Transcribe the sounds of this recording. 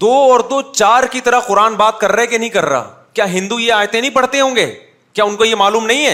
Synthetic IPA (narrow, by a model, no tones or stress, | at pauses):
d̪oːɔːɾd̪oːt͡ʃaːɾkit̪ɐɾəqʊɾaːnbaːt̪̚kɐɾːekenɐɦĩkɐɾːa̰ː | kjaːɦɪ̃nd̪ujeaːjt̪ẽnɐɦĩpɐɽ̤t̪eɦõːŋɡeː | kjaːʊnkojemaːluːmnɐɦĩɦɛː